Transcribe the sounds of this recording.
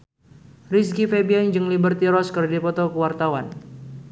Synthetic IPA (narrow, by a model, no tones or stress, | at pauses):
riskifebiand͡ʒɨŋlibərt̪iɾɔskərdipɔt̪ɔkəwart̪awan